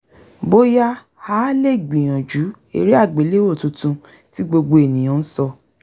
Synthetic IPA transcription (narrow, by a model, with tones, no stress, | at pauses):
bo˦ja˦ | ha˦le˦˨ɡ͡bĩ˨j̃ã˨d͡ʒu˨˦ | ḛ˦˨ɾi˦a˦˨ɡ͡be˨˦le˦o˦˨tũ˧tũ˧ | ti˦ɡ͡bo˧ɡ͡bo˧e˨nĩ˨j̃ã˨˦n̩˦sɔ˧